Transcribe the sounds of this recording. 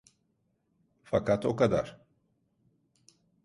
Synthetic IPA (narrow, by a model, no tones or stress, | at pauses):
fakat̪ʰo̞kad̪a̰ɾ̥